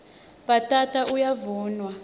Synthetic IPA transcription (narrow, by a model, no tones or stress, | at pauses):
ɓatʼatʰʼaʔujavuːnwa